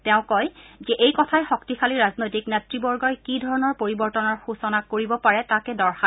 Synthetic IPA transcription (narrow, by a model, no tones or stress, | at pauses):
tɛʊ̃kɔjzɛʔejkɔtʰajxɔktixʰaliɹaznojtiknɛtɹibɔɹɡɔjkidʱɔɹɔnɔɹpoɹibɔɹtɔnɔɹxusɔnakoɹibɔpaɹɛtakɛdɔɹxa